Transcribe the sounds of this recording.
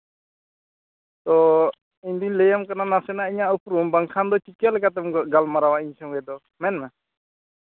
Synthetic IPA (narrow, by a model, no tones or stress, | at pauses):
t̪ɔ | iɲd̪uɲlɛjamkananasɛnaiɲaʔupɾumbaŋkʰand̪ɔt͡ʃikɛlɛkat̪̬ɛmɡɔɡalmaɾawaiɲsɔŋɡɛd̪ɔ | mɛnma